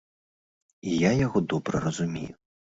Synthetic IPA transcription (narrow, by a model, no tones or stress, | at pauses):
ijajaɣɔd̪ɔbɾɐɾɐzumʲḛju